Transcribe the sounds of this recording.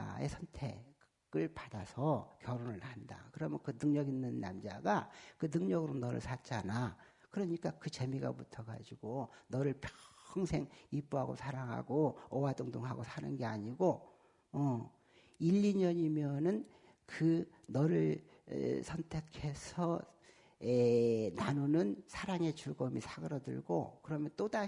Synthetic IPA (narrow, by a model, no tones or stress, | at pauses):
e̞̰sʰʌntʰe̞ | ɡ̥ɯɭpadasʰʌkjʌɾonɯɭhanda̰kɯɾʌmjʌnkɯnɯŋɲʌɡinːɯnːa̰md͡ʑa̰ɡakɯnɯŋɲʌɡɯɾonʌɾɯ̰ɭsʰat͡ɕ͈ana | kɯɾʌɲik͈akɯt͡ɕe̞miɡa̰butʰʌka̰d͡ʑiɡonʌɾɯɭpʰjʌ̥ŋsʰe̞ŋip͈uɦaɡo̰sʰaɾaŋɦa̰ɡoʌwadɯŋdoŋɦaɡosʰanɯnɡe̞aɲiɡo | ʌ | iʎːiɲʌɲimjʌnɯn | kɯnʌɾɯɭ̰ | sʰʌntʰe̞kʰesʰʌ | enanunɯnsʰaɾaŋe̞t͡ɕuɡʌmisʰaɡɯɾʌdɯ̰ɭɡo̰kɯɾʌmjʌnt͈oda